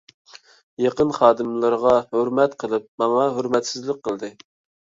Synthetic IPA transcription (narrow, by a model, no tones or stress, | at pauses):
jɑqənχɑːd̪ɨmlˠɨɾʁɑhøɾmɛt̪qʰəlˠɨp̚mɑŋɑɦøɾmɛt̪sɪzlɪk̚qʰəlˠd̪ɨ